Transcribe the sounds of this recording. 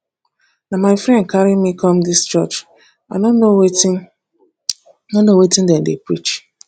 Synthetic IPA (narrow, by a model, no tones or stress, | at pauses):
namaɪfɾɛ̃nd̚kaɾimikʰɔmdɪst͡ʃɔt͡ʃ | an | nonowetĩndɛndepɹit͡ʃ